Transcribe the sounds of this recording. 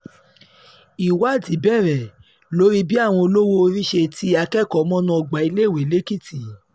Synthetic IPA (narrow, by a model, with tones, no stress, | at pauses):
i˨wa˦˨di˨˦bɛ˦˨ɾɛ˨ | lo˦ɾi˦bi˦a˦˨w̃ɔ̃˧o˧lo˦wo˦˧ɾi˦ʃe˧ti˧˦a˧kɛ˦˨kɔ˨˦mɔ̃˦nã˧ɔ˧˨ɡ͡ba˨˦i˧le˦˨we˨˦le˦ki˦˨ti˨